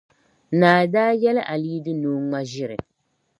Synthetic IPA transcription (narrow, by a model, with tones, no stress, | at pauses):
naː˨daː˦jɛ˦lʔa˨liː˦dɨ˦nuː˦ŋa˦ʒɪ˦ɾɨ˨